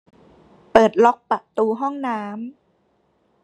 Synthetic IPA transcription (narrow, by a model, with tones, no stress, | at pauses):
pɤː˨˩t̪̚lɔ˦˥k̚pa˨˩ʔt̪uː˧ɦɔ˥˩ŋnaː˦˥m